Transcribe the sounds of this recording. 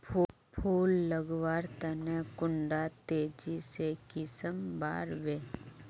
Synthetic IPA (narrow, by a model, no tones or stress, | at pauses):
pʰː | pʰuːlːəɡʋaːɾt̪ənekʊ̃ɳɖat̪eːd͡ʒisekɪsəmba̰ːɾʋeː